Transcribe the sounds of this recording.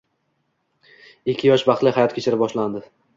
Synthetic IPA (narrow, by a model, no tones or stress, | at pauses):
ɪkʲʰːɪjɒʃbɑχt̪lˠɪhajɒt̪kʲʰet͡ʃʰɪɾɪbɒʃland̪ɪ